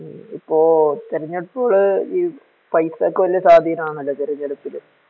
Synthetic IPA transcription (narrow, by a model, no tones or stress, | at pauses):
ipːoːt̪eɾɐɲːɐɽɨpːoːɭɨiː | pɐjsɐkːɨʋɐlːɐsaːd̪ʱiɐnɐmaːŋɐlːɐt̪eɾɐɲːɐɽupːilɨ